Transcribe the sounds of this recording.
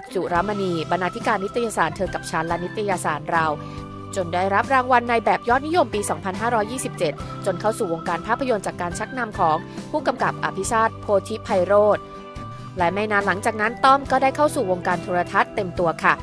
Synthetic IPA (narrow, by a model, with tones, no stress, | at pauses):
su˨˩ɾa˦˥ma˧niː˧ba˧nːaː˧t̪ʰi˦˥kaː˧nː˦˥t̪ʰːa˧jaː˧saː˩˦nt̪ʰɤː˧ka˨˩p̚t͡ɕʰaː˦˥nlɛ˦˥ni˦˥t̪ʰːa˧jaː˧saː˩˦nɾa˧w | t͡ɕo˧ndaː˥˩jɾa˦˥p̚ɾaː˧ŋwa˧nːa˧jbɛː˨˩p̚jɔː˦˥˩t̪̚ni˦˥jo˧mpiː˧sɔː˩˦ŋpʰa˧nɦaː˥˩ɾɔː˦˥jːiː˥˩si˨˩p̚t͡ɕe˨˩t̪̚ | t͡ɕo˧nkʰa˥˩wsuː˨˩wo˧ŋkaː˧npʰaː˥˩pʰːa˧jo˧nt͡ɕaː˨˩kːaː˧nt͡ɕʰa˦˥k̚na˧mkʰɔː˩˦ŋpʰuː˥˩ka˧mka˨˩p̚ʔa̰˧˩pʰi˦˥saː˥˩t̪̚pʰoː˧t̪ʰi˦˥pʰːa˧jɾoː˥˩t̪̚ | lɛ˦˥ma˧jnaː˧˥nla˩˦ŋt͡ɕaː˨˩k̚na˦˥nt̪ɔ˥˩mkɔː˥˩da˥˩jkʰa˥˩wsuː˨˩wo˧ŋkaː˧nt̪ʰoː˧ɾa˧t̪ʰa˦˥t̪ːe˧mt̪u˧ɐkʰa˥˩